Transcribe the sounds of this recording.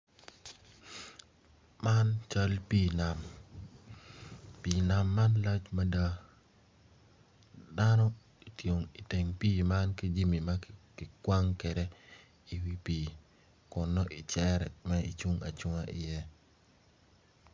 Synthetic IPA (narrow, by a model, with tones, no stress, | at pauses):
ma˦nt͡ʃa˦lpi˦˨na˨m | pi˨na˨mːa˦nla˦t͡ʃma˦da˦ | da˦nɔ˦ | i˨tjo˨ŋi˨te˨ŋpiː˦ma˦nki˦d͡ʒi˦mi˨makɪ˨kwa˦ŋkɛ˨ɾɛ˦ | i˨wi˦piː˨ | kʊ˨nːɔ˦ʔi˨t͡ʃɛ˦ɾɛmɛ˦i˨t͡ʃu˦ŋa̰˨t͡ʃu˦ŋa˦ʔɪ˨jɛ˦